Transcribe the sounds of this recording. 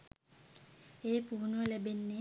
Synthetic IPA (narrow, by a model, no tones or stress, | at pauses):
eːpuːnʋəlebenːe